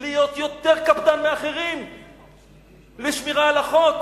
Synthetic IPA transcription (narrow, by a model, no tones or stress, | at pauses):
lijot̪jot̪eʁkabd̪anmeaχeʁim | leʃmiʁaːlaχot̪